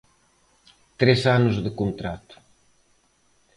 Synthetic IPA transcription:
t̪ɾesanʊzðɪkont̪ɾat̪ʊ̥

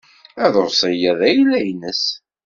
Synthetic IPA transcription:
æðoɾsˤəjæðæjlːæjnəs

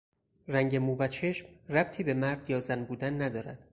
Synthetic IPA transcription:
ræŋɟe̞muːvæt͡ʃʰe̞ʃmræb̥̚t̪ʰiːbe̞mæɾd̪jɒːzænbuːd̪ænːæd̪ɒːɾæ̰d̪̥

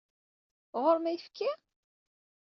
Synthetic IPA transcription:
ʁoɾmæjfkʰːi

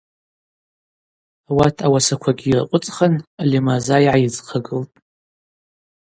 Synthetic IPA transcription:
awatʰawasakʷʰaɡʲiira̰qʷʼʊt͡sʼχanalimazaiʕajɪd͡zqʰaɡɨltʼ

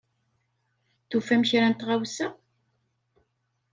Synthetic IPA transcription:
θufæmçɾænt̪ʁawsæ

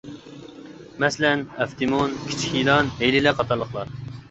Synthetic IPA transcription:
mɛslɛnæft̪ʰimonkʲʰi̥t͡ʃʰkʰʲilɑnejlɪlɛqʰɑt̪ʰɑɾlˠəχlˠɑɾ

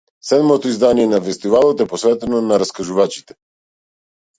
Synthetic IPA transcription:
sɛd̪mɔt̪ɔizd̪anijɛnafɛst̪ivalˠɔt̪ɛpɔsvɛt̪ɛnɔnaɾaskaʒuvat͡ʃi̥t̪ɛ̥

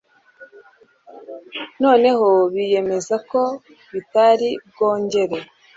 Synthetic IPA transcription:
no̞ːne̞ho̞βije̞me̞zako̞ | βitaɾib̚ɡo̞ːɲɟe̞ɾe̞

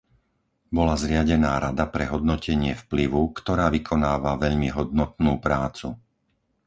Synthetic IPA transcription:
bɔlazɾɪaɟɛnaːɾad̪apɾɛɦɔd̪nɔcɛɲɪɛfpliʋukt̪ɔɾaːʋikʰɔnaːʋaʋɛʎmiɦɔd̪nɔt̪nuːpɾaːt͡su

